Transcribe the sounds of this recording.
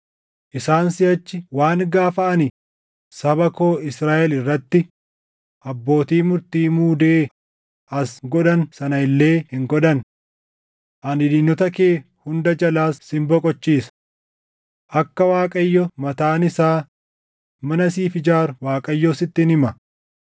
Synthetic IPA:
ʔɪsaːnsɪɐt͡ʃːɪwaːŋɡaːfɐʔɐnɪ | sɐbɐko̞ːɪsɾaːʔɛlɪrːɐt̪ːɪ | ʔɐbːo̞ːt̪iːmʊɾt̪iːmuːd̪eː | ʔɐsɡɔᶑɐnsɐnɐɪlːe̞ːhɪŋɡɔᶑɐn | ʔɐnɪᶑ̪ɪnːɔt̪ɐkeː | hʊnd̪ɐd͡ʒɐlaːsːɪmbɔkʼɔt͡ʃːiːsɐ̥ | ʔɐkːɐwaːkʼɐjːɔmɐt̪aːnɪsaː | mɐnɐsiːfɪd͡ʒaːɾʊwaːkʼɐjːɔsɪt̪ːɪnɪmɐ

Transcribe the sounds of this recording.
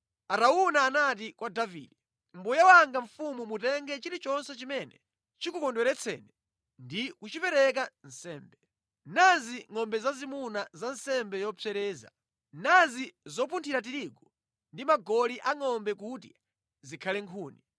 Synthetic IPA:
aɾaunaːnat̬ikwadavḭːdɛ | mbujawaŋɡaɱ̩fumumutɛŋɡɛt͡ʃiɾit͡ʃɔnsɛt͡ʃimɛnɛ̰ | t͡ʃikukɔndwɛɾɛt͡sʰɛ̰nɛ | ndikut͡ʃipɛɾɛk̬an̩sɛːmbɛ | naziŋɔmbɛzazimunazansɛmbɛjɔpʰɛɾɛːza̰ | nazizɔp̬untʰiɾat̬iɾiɡɔ | ndimaɡɔliʔaŋɔmbɛkuti | zikʰalɛŋkʰuːni

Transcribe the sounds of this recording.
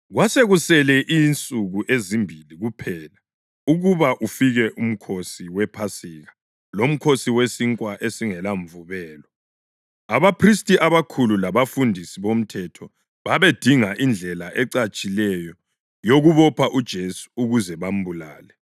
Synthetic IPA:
ɣwaseɣusɛlɛʔint͡sʼuɣuʔezimbʱiliɣupʰɛla | uɣuβaʔufiɣɛʔum̩kʰosiwɛpʰasiɣa | lom̩kʰosiwesiŋkʼwaʔesiŋɛlaɱvuβɛːlɔ | aβapʰristʼiʔaβakʰululaβafundʱisiβom̩tʰɛtʰɔ | βaβed̥ʱiŋaʔind͡ɮʱɛlaʔɛǀat͡ʃʼilɛjɔ | joɣuβɔpʰaʔud̥ʒ̥ʱesu̥uɣuzɛβam̩bula̰ːlɛ

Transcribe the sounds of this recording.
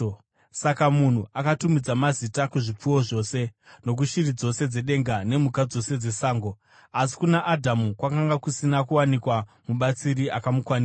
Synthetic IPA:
sakamun̤uakatumid͡zamazitakuʐip͡fuwo̞ʐo̞ːse̞no̞k̬uʃirid͡zo̞se̞d͡ze̞ɗe̞ŋɡane̞mukad͡zo̞se̞d͡ze̞saːŋɡo | asi̥kunaʔːdʱamukwakaŋɡakusinakuwanikwamuɓat͡siriʔakamukwaniːa

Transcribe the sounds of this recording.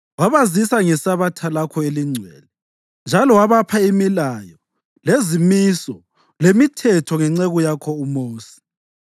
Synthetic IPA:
waβazisaŋɛsaβatʰalakʰɔeliŋ͡ǀʱwɛ̰ːlɛ | nd͡ʒʱalɔwaβapʰaimilajɔ | lezimisɔ | lemitʰɛtʰɔŋɛŋ͡ǀeɣujakʰɔumoːsi̥

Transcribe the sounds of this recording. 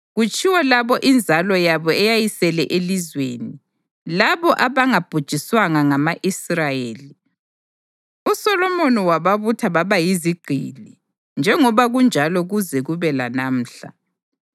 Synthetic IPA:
ɣut͡ʃʼʰiwɛlaβɔʔind͡zʱalɔjaβɔɛjajisɛlɛʔelizweːni | laβɔʔaβaŋab̥ʱud̥ʒ̥ʱiswaŋaŋamaʔisrajeːli | usɔlɔmoniwaβaβutʰaβaβajiziɡ͡ǃ̥ʱili | nd͡ʒʱɛŋɔβaɣund͡ʒʱalɔɣuzɛɣuβɛla̰naːm̩ːɬa̰

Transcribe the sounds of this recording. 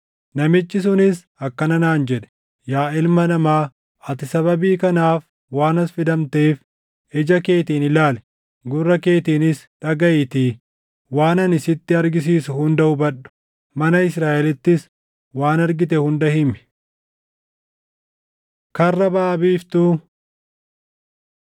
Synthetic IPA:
nɐmɪt͡ʃːɪs̬ʊnɪs | ɐkːɐnɐnaːnd͡ʒɛᶑɛ̥ | jaːɪlmɐnɐmaː | ɐt̪ɪsɐbɐbiːkɐnaːf | waːnɐsfɪd̪ɐmt̪eːf | ɛd͡ʒɐke̞ːt̪iːnɪlaːlɛ̥ | ɡʊrːɐke̞ːt̪iːnɪs | ᶑɐɡɐʔɪt̪iː | waːnɐnɪsɪt̪ːɪɐɾɡɪs̬iːsʊhʊnd̪ɐʊbɐᶑʊ̥ | mɐnɐɪsɾaːʔɛlɪt̪ːɪs | waːnɐɾɡɪt̪ɛhʊnd̪ɐhɪmɪ̥ | kɐrːɐbaːbiːft̪uː

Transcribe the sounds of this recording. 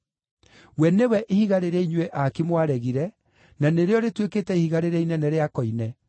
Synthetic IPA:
wɛnewɛʔihiɣaɾeɾeiɲwɛʔakimwaɾɛɣiɾɛ | naneɾeɔɾetweketɛihiɣaɾeɾɛinɛnɛɾeakɔinɛ

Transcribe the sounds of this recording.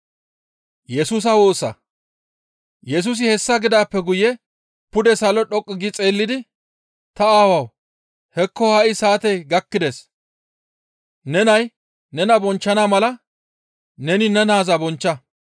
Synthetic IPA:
jɛsuːs̬ɐwo̞ːsɐ̰ | jɛs̬uːs̬ɪhɛsːɐɡɪd̪aːpːɛɡʊjɛ | pʊd̪ɛsɐlɔɗɔkʼːɪɡɪt͡sʼe̞ːlːɪd̪ɪ | t̪ɐaːwɐw | hɛkːɔhɐʔɪsaːt̪ɛjɡɐkːɪd̪es | nɛnɐj | nɛnɐbɔnt͡ʃːɐnamɐlɐ | nɛnɪnɛnaːzɐbɔnt͡ʃːɐ

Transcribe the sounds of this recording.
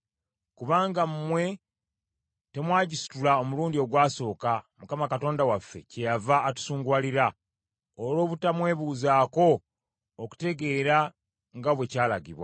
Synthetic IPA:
kuβaːŋɡammwe̞ | te̞mwaːɟisu̥tulao̞muluːndio̞ɡwaːso̞ːkamukamakato̞ːndawafːe̞̰ce̞javaːtu̥suːŋɡwaːliɾa | olo̞ːβutamwe̞ːβuːzaːko̞ː | ku̥te̞ɡe̞ːɾa | ŋɡaβwe̞caːla̰ɡḭβwa̰

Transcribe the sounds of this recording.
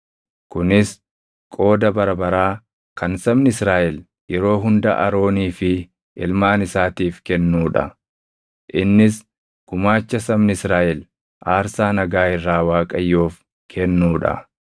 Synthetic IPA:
kʊnɪs | kʼo̞ːd̪ɐbɐɾɐbɐɾaː | kɐnsɐmnɪsɾaːʔɛl | jɛɾo̞ːɦʊnd̪ɐ̰ʔɐ̰ɾo̞ːniːfɪ | ɪlmaːnɪsaːt̪iːfkɛnːuːᶑɐ̰ | ʔɪnːɪs | ɡ̥ʊmaːt͡ʃːɐsɐmnɪɪsɾaːʔɛl | ʔaːɾsaːnɐɡaːhɪrːaːwaːkʼɐjːoːf | kʰɛnːuːᶑɐ̰

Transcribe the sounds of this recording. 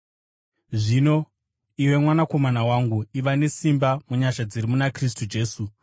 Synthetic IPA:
ʐino̞ | iwe̞mwanako̞manawaŋɡuiʋane̞simbamuɲaʃad͡zirimunakris̬tud͡ʒe̞ːsu

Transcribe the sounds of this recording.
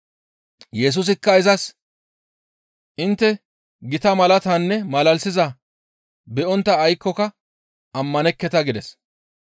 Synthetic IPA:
jɛs̬ʊs̬ɪkːɐɪzɐs | ʔɪnt̪ːɛ | ɡɪt̪ɐmɐlɐt̪ɐnːɛmɐlɐlsɪzɐ | bɛɔnt̪ːɐːjkːɔkɐ | ɐmːɐnɛkːɛt̪ɐɡɪd̪ɛs

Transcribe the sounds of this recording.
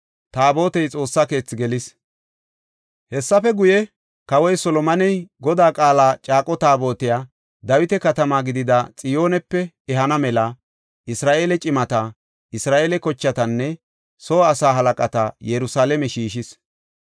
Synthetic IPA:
t̪aːbo̞ːt̪ɛjt͡sʼo̞ːsːake̞ːt͡sːɪɡɛlɪs | hɛsːɐfɛɡʊjɛ | kɐwɔjsɔlɔmɐnɛjɡɔd̪aːkʼaːlaːt͡ʃʼaːkʼɔt̪aːbo̞ːt̪ɪjaː | d̪ɐwɪt̪ɛkɐt̪ɐmaːɡɪd̪ɪd̪at͡sʼɪjo̞ːnɛpːɛ | ɛɦɐnɐmɛlɐ | ʔɪsɾaːʔeːlɛt͡ʃʼɪmɐt̪a | ɪsɾaːʔeːlɛkɔt͡ʃːɐt̪ɐnːɛ | soːɐsaːɦɐlɐkʼɐt̪ɐjɛɾʊsaːlɛmɛʃiːʃɪs

